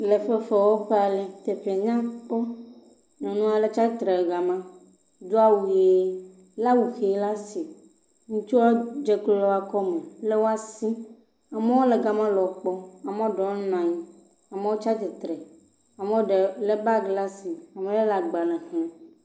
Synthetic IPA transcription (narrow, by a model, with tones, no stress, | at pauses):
le˨ɸe˦fe˨wo˦ɸe˦a˨le˨t̪e˨ɸe˨ɲã˦k͡pɔ˦ | nɔ̃˨nũ˦a˨le˦t͡ʃa˦t̪ɾe˨ɡa˨mã˦ | d̪u˦a˦wu˨je˨˦ | la˦wu˨xe˨˦la˦si˨ | ŋũ˦t͡ʃu˦wa˦d͡ʒe˦klɔ˦a˨kɔ˦mẽ˨le˦wo˦a˦si˦ | a˨me˦wo˦le˨ɡa˨mã˦lɔ˨k͡pɔ˦a˨mẽ˦ɖɔ˨˦nã˨ɲĩ˦ | a˨me˦wo˦t͡ʃa˦t̪ɛ˨t̪ɾe˨ | a˨me˦wo˦ɖe˨le˦ba˦ɡla˦si˨a˨mẽ˨le˦la˨ɡ͡ba˨nɛ̃˨xẽ˨